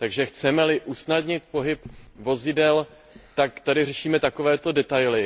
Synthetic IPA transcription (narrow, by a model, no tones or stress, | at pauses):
t̪aɡʒɛxt͡sɛmɛlɪʔusnadɲɪt̪̚po̞ɦɪpvo̞zɪdɛl | t̪akt̪adɪrɛʃiːmɛt̪ako̞vɛːt̪odɛt̪ajlɪ